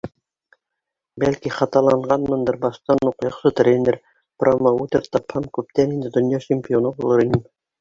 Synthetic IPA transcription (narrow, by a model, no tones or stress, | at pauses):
bælkiχɑt̪ɑlˠɑɴɢɑnmɤ̆nd̪ɤɾbɑʃt̪ɑnuqjɑ̆qʃɤt̪ɾʲenʲɘɾ | promɑʉt̪ɘɾt̪ɑphɑmkʉp̚t̪ænind̪ɘd̪ŏnjɑt͡ɕɪmʲpʲɪonɤbulˠɤɾinɘm